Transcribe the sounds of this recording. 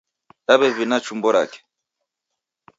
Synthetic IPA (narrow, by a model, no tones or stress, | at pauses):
aβɛvinat͡ʃumbɔɾa̰kɛ̥